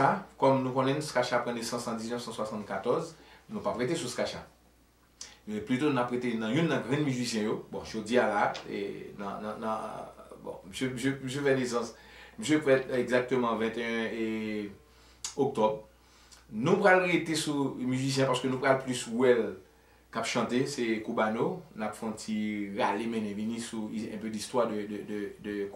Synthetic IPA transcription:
akɔmnũkõnɛnũskaʃapʁɑ̃nesɑ̃sɑ̃d͡ziznœfsɑ̃swasɑ̃t̪kat̪ɔʁznũpapʁet̪esuskaʃa̰ | mɛplyt̪onapʁet̪enɐ̃jũnːɐ̃ɡʁɛ̃myzisjɛ̃jobɔ̰̃ʒod͡zialaḛñ̰ññbɔ̰̃m̩sjøm̩søm̩s̬øfɛnesɑ̃sm̩s̬ɛfɛteɡzak̚t̪ømɑ̃vɛ̃t̪eɛ̃e | ok̚t̪ɔb | nũpʁalɣet̪esumyzis̬jɛ̃paʁsə̥kønũpʁalplyswɛl | kapʃɑ̃t̪esɛkubanonapfɔ̃tiʁalemɛ̃nɛ̃vinĩsuiɛ̃pødist̪wad̪ədd̪əd̪ək

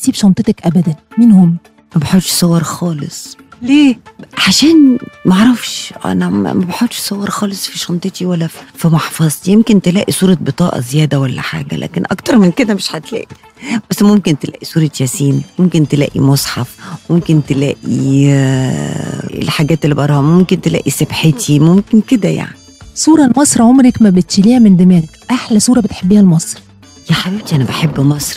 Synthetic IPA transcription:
siːbʃɑnt̪ˤet̪ækʔæbæd̪ænmiːnhomː | mæbeħod̪ʃsˤɑwːɑɾˤxɑːlḛsˤleːʕaʃæːnmæʕɾˤɑfʃʔæ̰næmæ̰mæbeħod̪ʃsˤɑwːɑɾˤxɑːlesˤfiʃɑnt̪ˤet̪iwælːæfimɑħfɑzˤt̪ijemkent̪elæːʔisˤuːɾˤɑbet̪ˤɑːʔɑ̰zejæːd̪æwælːæ̰ħa̰ːɡæ̰lʔæ̰ːkenʔɑkt̪ɑɾˤmenked̪æmeʃħat̪læ̰ːʔi | b̥æsːmomkent̪elæ̰ːʔisˤuːɾˤɑjæsiːmmomkent̪elæ̰ːʔḭmosˤħɑfmomkent̪elæ̰ːʔḭ | ḛlħaɡæːt̪elːibʔɑɾˤɑːhmomkent̪elæ̰ːʔisebħet̪ʰimomkenked̪æja̰ʕnisuːɾˤɑlmɑsˤɾʕomɾekmæbet̪ʃeliːhæmend̪emæːnekʔaħlæsˤuːɾˤɑbet̪ħebːiːhælmɑsˤɾ | jæħabiːb̚t̪iʔænæbeħebːmɑsˤɾ

